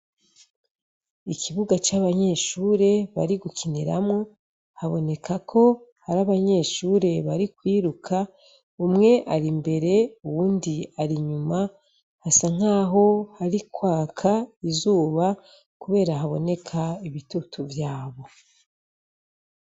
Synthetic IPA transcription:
ikʰiβuɡat͡ʃaβaɲe̞ʃuːɾe̞βa̰ɾiɡukʰiniɾa̰mŋo | haβo̞̰ne̞kʰakʰo̞haɾaβaɲe̞ʃuːɾe̞βaɾikwiːɾukʰa | umŋe̞ʔaɾimbe̞ɾe̞uwuːndiaɾiɲuma | hasaŋ̥aːɦo̞haɾikwaːkʰaizuːβa | kuβe̞ːɾaɦaβo̞ne̞kʰaiβitutʰuvjaːβo

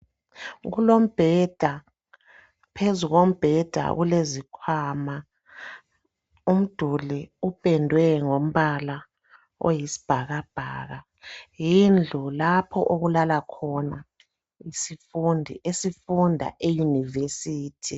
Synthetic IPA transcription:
ɣulom̩b̥ʱɛd̥ʱa | pʰezuɣom̩b̥ʱɛd̥ʱa̰ɣulezikʰwaːma | um̩d̥ʱuliub̥ʱʼɛndʱwɛŋom̩βala | o̰jisi̥b̥ʱaɣab̥ʱa̰ːɣa | jind͡ɮʱulapʰɔʔoɣulalakʰɔna | isifundʱḭʔesifundʱa̰ʔejunivesiːtʰi

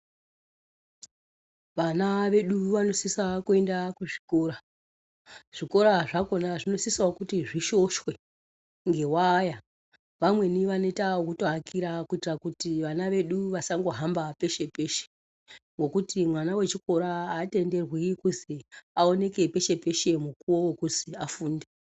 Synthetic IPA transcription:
ʋanaʋe̞ɗuʋano̞sisakue̞ndakuʐiko̞ːɾa | ʐ̥iko̞ɾaʐako̞naʐino̞sisaokutiʐiʃo̞ʃwe̞ | ŋɡe̞waːja | ʋamwe̞niʋanotaokutoakiɾakuitirakutiʋanaʋe̞ɗuʋasaŋɡo̞ɦambape̞ʃe̞pe̞ʃe̥ | ŋɡo̞kutimwanawe̞t͡ʃiko̞ɾaːte̞nde̞rwikuziao̞ne̞ke̞pe̞ʃe̞pe̞ʃe̞mukuwowokuziafuːnde

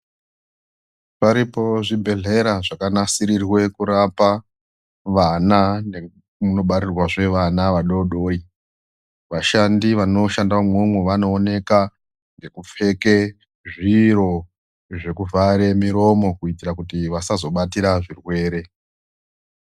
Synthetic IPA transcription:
paɾipo̞ʐibʱe̞ɮe̞ɾaʐakanasiɾirwe̞kuɾapa | ʋanane | muno̞ɓaɾirwaʐe̞ʋanaʋaɗo̞ɗo̞ːi | ʋaʃandiʋano̞ʃandamwomwoʋano̞ːne̞ka | ŋɡe̞kup͡fe̞ke | ʐiɾo̞ | ʐe̞kuvʱaɾe̞miɾo̞mo̞kuitiɾakutiʋasazo̞ɓatiɾaʐirwe̞ːɾe̞

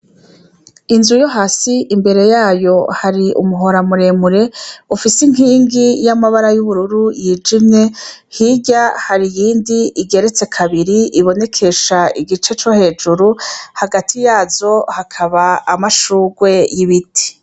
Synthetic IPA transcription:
inzujo̞ɦasiʔimbe̞ɾe̞jaːjo̞haɾiṵmuɦo̞ɾamuɾe̞muɾe̞ufisiŋ̥hiːŋɡijamaβaɾajuβuɾuɾujid͡ʒimɲe̞hiɟahaɾijiːndiiɡe̞ɾe̞t͡se̞kʰaβiɾiiβo̞ne̞kʰe̞ʃaiɡit͡ʃe̞t͡ʃo̞he̞ːd͡ʒuɾuhaɡatʰijaːzo̞hakʰaβaːmaʃuːɡwe̞jiβiti̥

